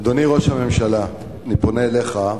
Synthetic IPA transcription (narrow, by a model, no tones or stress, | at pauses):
d̪oniʁo̞ʃhame̞mʃala | niponeːle̞χa